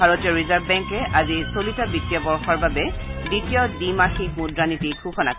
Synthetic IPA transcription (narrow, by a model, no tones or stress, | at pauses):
aɹotijɔɹizaɹbbɛŋkɛʔazisolitabitːijɔbɔɹxɔɹbabɛditijɔdimaxik̚mudɹanitiɡʰuxɔna̰k